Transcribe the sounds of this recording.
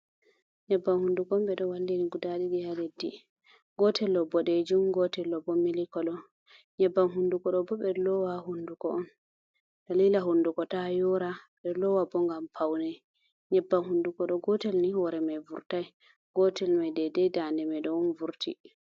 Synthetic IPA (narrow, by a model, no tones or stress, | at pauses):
ɲɛbːamhundukɔmɓɛɗɔwalːiniɡudaɗidihaledːḭ | ɡɔtɛlːɔbɔɗed͡ʒumɡɔtɛlːɔbɔmilikɔlɔ | ɲɛbːamɦundukɔɗɔbɔɓɛlɔwahundukɔʔɔn | d̥aliːlaɦundukɔtajɔɾaɓɛlɔwabɔŋɡampʰawnɛ | ɲɛbːamhundukɔɗɔɡɔtɛlnihɔɾɛmajvuɾtaj | ɡɔtɛlmajdɛdɛjdandɛmɛɗɔnvuɾtʰḭ